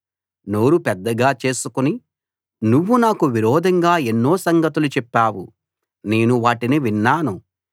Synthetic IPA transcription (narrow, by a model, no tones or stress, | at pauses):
no̞ːɾupɛd̪ːɐɡaːt͡ʃe̞ːsukuni | nuʋːunaːkuʋiɾɔːd̪ʱɐŋɡaːe̞nːo̞ːsɐŋɡɐt̪ulut͡ʃɛpːaːwu | ne̞ːnuʋaːʈiniʋinːaːnu